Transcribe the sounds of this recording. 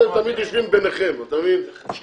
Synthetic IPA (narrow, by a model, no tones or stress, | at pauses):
et̪amid̪joʃvimbeneχemat̪amvin | ʃl